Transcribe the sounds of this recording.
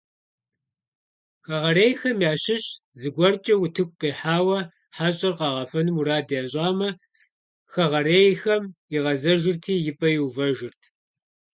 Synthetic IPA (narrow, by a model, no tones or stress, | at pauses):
xɐʁɐreːjxɐmjaːʃɕɪɕʼzɨɡʷɔrt͡ʃʼɐwʊtʰɨkʷʼqiːħaːwɐ | ħaːɕʼɐrqɑʁɐfɐnɨmuɾaːdjaːɕʼɑːmɐ | xɐʁɐreːjxɐmɪʁɐzɐʒɪrtʰiːjɪpʼɐjɪwvɐʒɪrtʰ